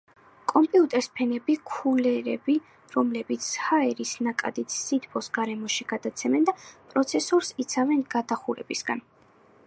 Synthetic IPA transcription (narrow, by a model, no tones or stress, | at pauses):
kʼɔmpʼiut̪ʼɛɾspʰɛnɛbikʰulɛɾɛbi | ɾɔmlɛbit̪sʰhaɛɾisnakʼa̰d̪it̪ʰsit̪ʰpʰɔsɡaɾɛmɔʃiɡ̥ad̪at̪sʰɛmɛnd̪apʼɾɔt̪sʰɛsɔɾsit̪sʰavɛnɡad̪aχuɾɛ̰bisɡa̰n